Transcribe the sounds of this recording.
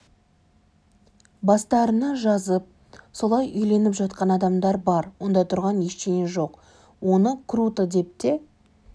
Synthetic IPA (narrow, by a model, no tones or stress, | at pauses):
bɑst̪ɑɾənɑʒɑzəp̚ | so̞lˠɑjʏjle̞nɪpʒɑt̪̚qɑnɑd̪ɑmd̪ɑɾbɑɾwo̞nd̪ɑt̪ʰʊɾʁɑnjeʃt̪ejɪʒo̞q | wo̞nəkʰɾut̪əd̪e̞p̚t̪e